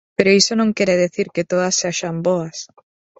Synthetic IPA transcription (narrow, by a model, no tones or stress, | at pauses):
peɾoisonõŋkeɾeðeθiɾket̪oðasːaʃamboas